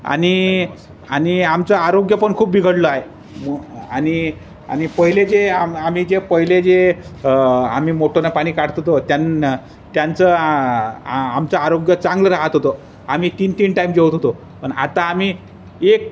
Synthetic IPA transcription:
a̰ɽ̃i | a̰ñiamt͡saaɾoɡjəpəɳkʰuːpʋiɡʱəɽloae | maɽ̃i | a̰ñipəɦiled͡zeamam̤id͡zepəɦiled͡ze | a̰m̤iːmoʈʰonapaɽ̃iːkaɽ̤t̪ɦot̪ot̪jan | t̪jant͡sə | amt͡saaɾoɡjət͡sãŋɡləɾaɦət̪ɦot̪o | am̤iːt̪iːnt̪iːnʈaimd͡ʑewt̪ɦot̪o | pəɳa̰t̪aːm̤i | ek̚

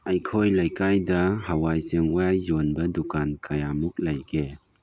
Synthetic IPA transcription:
ajkʰojlajkajdɐhawajsɯŋwajːɔnbɐdukankʰajamuk̚lajɡe

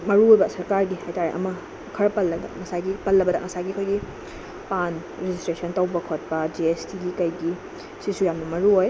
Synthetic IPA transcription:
mɐɾuɦojbɐsɐɾkaɾɡihajtaɾḛʔɐ̰mɐ | kʰɐɾɐpɐlːɐdɐ̰ŋɐsaɡipɐlːɐbɐdɐ̰ŋɐsaɡiɐkʰojɡi | pan | ɾed͡ʒistɾesɐntɐwbɐkʰot̚pɐd͡ʒiestiɡikɐjɡi | sisujamnɐmɐɾuɦoj

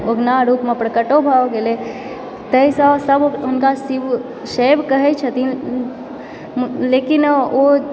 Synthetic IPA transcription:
oɡnaɾuːpmepɾəkəʈobʱaɡele | t̪əɦisə̃səbɦʊnkasiʋ | sebkəɦɛt͡ʃʰət̪i | lekino

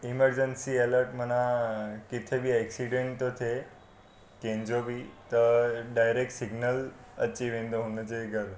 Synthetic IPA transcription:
iməɾd͡ʑənsieləɾʈm̤ənakit̪ʰebʱiːɛksiɖẽɳʈot̪ʰe | kẽɲd͡ʑobʱiːt̪əɖajɾek̚ʈsiɡnəl | ə̰t͡ɕiʋẽnd̪oɦonət͡seɡʱəɾ

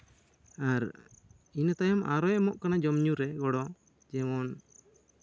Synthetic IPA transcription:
aɾ | inat̪ajɔmʔaɾɔjmɔʔkanad͡ʒɔmɲuɾɛɡɔɽɔ | d͡ʒɛmɔn

